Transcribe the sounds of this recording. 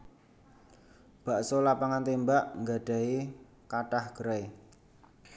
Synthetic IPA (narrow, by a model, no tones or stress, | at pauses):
b̥a̤ʔsolapaŋant̪embaʔŋɡaɖ̥a̤i | kaʈahɡ̥ɾae